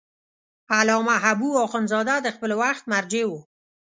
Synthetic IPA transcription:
alɑmaɦabuɔxʊnzɑd̪ad̪əxpəlwaxt̪̚maɾd͡ʒewu

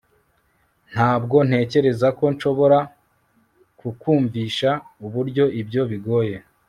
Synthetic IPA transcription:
n̥haːbɡo̞n̥he̞ːce̞ɾe̞zako̞nʃo̞βo̞ɾa | kukuːɱviːʃauβuɾɟo̞ibɟo̞βiɡo̞ːje̞

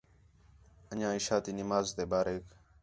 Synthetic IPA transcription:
əɲãːɪʃaːt̪iːnɪmaːzt̪eːbaːɾek

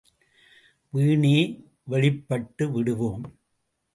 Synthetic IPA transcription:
ʋiːɳeː | ʋɛɭɪpːɐʈːɯʋɪɽɯʋoːm

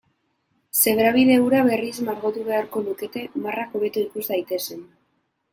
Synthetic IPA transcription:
se̞ɣɾaβ̞iðe̞wɾaβe̞rizmaɾɣot̪uβe̞aɾko̞luke̞t̪e̞marako̞βe̞t̪uikuzd̪ajt̪e̞sen

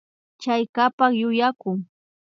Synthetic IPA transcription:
t͡ʃajkapaχjʊjakʊŋ

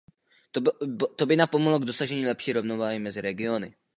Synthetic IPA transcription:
t̪obɪnapomoɦloɡdo̞saʒɛɲiːlɛpʃiːɾovnovaːɦɪmɛzɪɾɛɡɪo̞nɪ̰

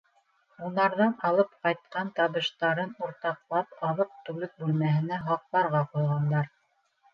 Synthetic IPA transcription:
unɑɾðɑnɑlˠɤpqɑjt̪̚qɑnt̪ɑβɤ̆ʃt̪ɑɾɤnuɾt̪ɑqlˠɑpɑlˠɤp̚t̪ʉlɘk̚bʉlmæhɘ̆næɦɑq̚lˠɑɾʁɑqujʁɑnd̪ɑɾ

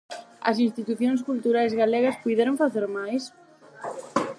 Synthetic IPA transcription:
ɐ̰sinst̪it̪uθjõŋskult̪uɾajzɣalɛɣɐspujðɛɾoŋfaθeɾmajs

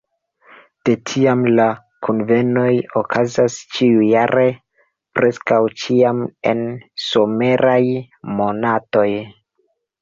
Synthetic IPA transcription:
d̥e̞tʰiamla | kʰunve̞no̞jo̞kʰazast͡ʃiujaɾe | pɾe̞skawt͡ʃiame̞̰nso̞me̞ɾaj | mo̞nato̞j

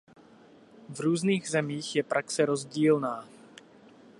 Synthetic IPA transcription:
vɾuːzniːɣzɛmiːɣjɛpɾʔaksɛɾozɟiːlnaː

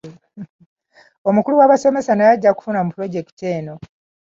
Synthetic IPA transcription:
omukuluwaβase̞me̞sanajaɟːaku̥funamupuɾo̞ɟe̞ktteːno̞

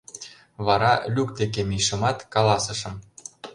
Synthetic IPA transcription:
βɑɾɑlʲuk̚t̪ek̬emiʃə̆mɑt̪kɑlɑsə̆ʃɤ̆m

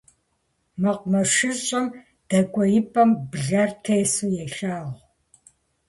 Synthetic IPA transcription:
mɐqʷmɐʃɪɕʼɐm | d̥ɐkʷʼɔjɪpʼɐmbɨɮartʰeːsujɛɬaːʁ

